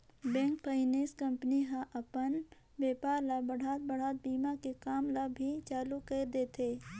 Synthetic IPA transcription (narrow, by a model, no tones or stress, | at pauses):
bɛ̃ːŋk̚pəɪneːskɐ̃mpniɦãʔɐpən | ʋeːpaːɾlabɐɽ̤ʱaːt̪̚bɐɽ̤aːt̪̚biːmakekaːmlabʱit͡ʃaːlukeːɾd̪eːt̪ʰeː